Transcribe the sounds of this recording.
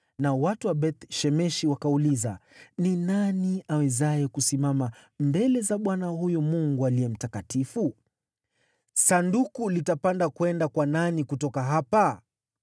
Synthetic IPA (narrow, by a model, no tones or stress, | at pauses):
nawatuwaɓɛt̪ʃɛmɛʃiwakauliza̰ninaniawɛzajɛkusimamambɛlɛzaɓwanahujɔmuŋɡualiɛm̩takatifu | sandukulitapandakwɛndakwananikutɔkaɦapa